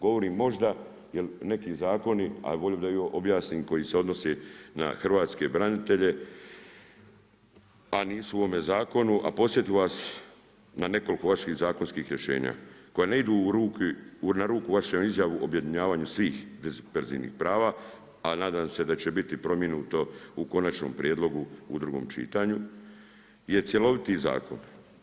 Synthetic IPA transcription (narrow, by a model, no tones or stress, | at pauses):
ɡo̞ʋo̞ɾiːmːo̞ʒd̪a | jelne̞kiːzaːko̞nia̰ʋoʎod̪ajoʔobjaːsniːmko̞jiseo̞d̪no̞sena̰xrʋaːt̪ske̞bɾanit̪e̞ʎe̞ | aniːsuuʋo̞me̞zaːko̞nuʔa̰po̞sje̞t̪iʋas | nane̞ko̞liko̞ʋaʃiɣzaːko̞nskiːxɾje̞ʃe̞̰ːɲa̰ːko̞jeneid̪uɾuːknaɾuːkuʋaʃemizjaʋuʔobje̞d̪iɲaːʋaːɲusʋiːxd̪ezpeɾzḭʋnḭxpɾaːʋaː | anaːd̪aːmse̞d̪at͡ɕe̞bit̪ipɾo̞mje̞nuːt̪o̞uko̞nat͡ʃno̰mpɾʲjed̪lˠo̞ɡuṵd̪ɾuɡo̞̰mt͡ʃḭːt̪aɲu | je̞t̪sjelo̞ʋit̪iza̰ːkon